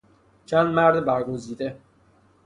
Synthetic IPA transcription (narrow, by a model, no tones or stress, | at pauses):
t͡ʃʰænd̪mæɾd̪bæɾɡoziːd̪e